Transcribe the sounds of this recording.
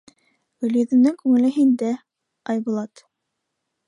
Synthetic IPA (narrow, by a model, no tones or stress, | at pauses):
ɡɵ̆ljɵ̆ðɘ̆nɘŋkʉŋɘ̆lɘɦind̪æ | ɑjbŭlˠɑt̪